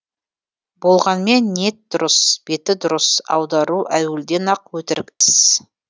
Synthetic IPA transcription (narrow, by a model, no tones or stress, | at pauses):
bo̞lˠʁɑnme̞nːe̞t̪̚d̪ʊɾəsb̥e̞t̪ɪd̪ʊɾəsɑ̰wd̪ɑɾuʔæwɪld̪e̞nɑq̚wɵt̪ɪɾɡʲɪt̪ɪz̥